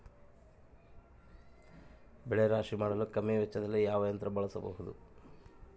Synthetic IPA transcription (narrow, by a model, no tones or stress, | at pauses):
bɛɭeɾaːʂimaːɽɐlukɐmːeʋɛt͡ʃːɐd̪ɐlːijaːʋɐjɐnt̪ɾɐbɐɭɐsɐbɐ̰ɦud̪u